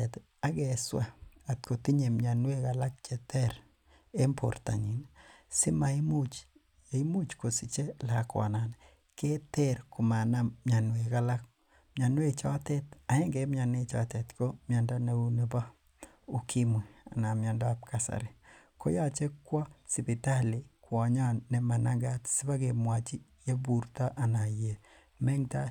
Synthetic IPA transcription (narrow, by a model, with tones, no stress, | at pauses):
e˨t | a˦ɡɛ˨swa˦˨a˨tko˨ti˦ɲe˨mɲa˨nwe˦ka˨la˦k̚t͡ʃe˨tɛ˦ɾ | e˦mpʰo̰˨rta̰˨ɲi˨nsɪ˦ma˨i˦mu˦t͡ʃ | i˦mu˦t͡ʃko˨si˨t͡ʃe˦la˨kwa̰˨na˨n | ke˦tɛ˦ɾku˨ma˨na˨mɲa˨nwe˨ka˦la˦k̚ | mɲa˨nwe˦t͡ʃɔ˦tɛ˦ta˨e˦ŋɡe˦m˦a˨ne˦t͡ʃɔ̰˦tɛ˨tko˦mja˨nda˦na˦u˦ne˨ba˦ | u˨kʰi˦mwi˨a˨na˨mjɔ˨ndɔ˦a˨p̚kʰa˨sa̰˨ɾi˨ko˦ja˦t͡ʃe˦kwɔ˦si˨bi˨ta˦li˨kwɔ˨ɲɔ˦nːɛ˨ma˨naŋɡa˦tsi˦ba˦ke˨mwa˨t͡ʃi˦ | je˦bu˨ɾtɔ˦ʔa˨na˨je˨ | mɛ˦ŋta˦